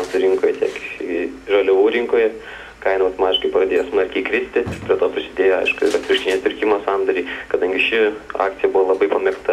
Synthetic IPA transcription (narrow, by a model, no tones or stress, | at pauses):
nsʊɾʲɪŋkoːjɛt̪ʲiɛk | ʒoːlʲʊʋuːɾʲɪŋkoːjɛ | kɐɪnɐɐʊt̪omɑːt̪ʲɪʃkɐɪpɐɾɐd̪ʲeːjoːsmɐɾʲkʲiːkɾʲɪsʲt̪ʲɪt̪pʲɾʲiɛt̪oːpʲɾʲɪsʲɪd̪ʲeːjoːɐ̰ɪʃkʊɪ̰lɐt̪ʲɾɪkʃt̪ʲinʲeːpʲɪɾʲkʲɪmoːsɑnd̪ɐɾʲiːkɐd̪ɐŋʲɡʲɪʃʲɪɑ̰ːkt̪sʲɪjɛbʊʋolˠɐbɐɪpɐmʲɛkt̪ɐ